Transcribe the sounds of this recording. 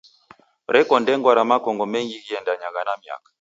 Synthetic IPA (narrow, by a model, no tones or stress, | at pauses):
ɾɛkɔndɛŋɡwaɾamakɔŋɡɔmɛŋɡiɣiɛndaɲaɣanamia̰kḁ